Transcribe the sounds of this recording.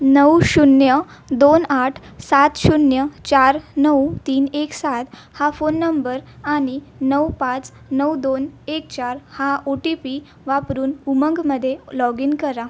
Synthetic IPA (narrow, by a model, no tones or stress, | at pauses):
nəwɕunjə | d̪onaʈʰ | sat̪ɕunjət͡ɕaɾnəwt̪iːneksat̪ | hafonːəmbəɾaɽ̃inəwpãt͡s | nəwd̪onek̚t͡ɕaɾhaʔoʈipi | ʋapɾuːnuməŋɡməd̪ʱːjelɔɡinkəɾa